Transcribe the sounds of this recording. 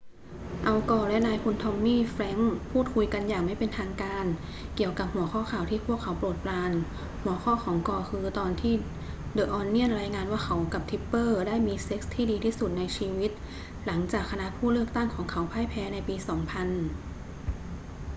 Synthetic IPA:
ʔa˧wkɔː˧˩lɛ˦˥ʔnaː˧jpʰu˧nt̪ʰɔ˧mniː˥˩fɾɛ˦˥ŋpʰuː˥˩t̪̚kʰu˧jka˧njaː˨˩kma˥˩jpe˧nt̪ʰaː˧ŋkaː˧n | ki˨˩əwka˨˩p̚hu˩˦ɐxʰɔː˥˩kʰaː˨˩wt̪ʰiː˥˩pʰu˥˩əkʰːa˩˦wpɾu˨˩t̪̚plaː˧n | hu˨˩˦ɐxʰɔː˥˩xʰɔː˩˦ŋkɔː˧˩kʰɯː˧t̪ɔː˧nt̪ʰiː˥˩ | dɤː˨˧˩ʔɔː˧nːi˥˩ənɾaː˧jŋaː˧nwaː˥˩kʰa˦˥wka˨˩p̚t̪ʰi˦˥pːɤː˥˩daː˥˩jmiː˧se˦˥k̚st̪ʰiː˥˩diː˧t̪ʰiː˥˩su˨˩t̪̚na˧jt͡ɕʰiː˧wi˦˥t̪̚ | la˩˦ŋt͡ɕaː˨˩kʰːa˧na˦˥ʔpʰuː˥˩lɯ˥˩k̚t̪a˥˩ŋkʰɔː˩˦ŋkʰa˦˥wpʰaː˧˥˩jpʰɛː˨˧˥na˧jpiː˧sɔː˩˦ŋpʰa˧n

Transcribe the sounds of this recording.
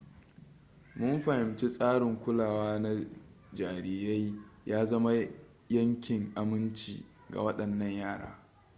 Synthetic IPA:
mʊ˦mɸɐ˨hɪ˨mt͡ʃi˦sʼaː˦ɽɪ˨ŋkʷʊ˦laː˨waː˦na˦ | d͡ʒaː˨ɾiː˨ja˦jjaː˦zɐ˦ma˦ | jɐ˦ŋkʲɪ˨ŋʔa˨mɪ˦nt͡ʃḭː˨ | ɡa̰˨wɐ˦ɗɐ˨nːɐ˦˨ɲjaː˦˨ɽa̰ː˦

